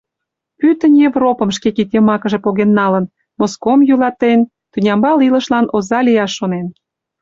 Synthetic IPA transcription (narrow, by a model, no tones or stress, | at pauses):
pyt̪ənjevropə̆mʃ̬kekit̪emɑkə̆ʒĕpoɣenːɑlən | moskomjylɑt̪en | t̪unʲɑmbɑlilə̆ʃlɑnʔozɑlʲijɑʃːonen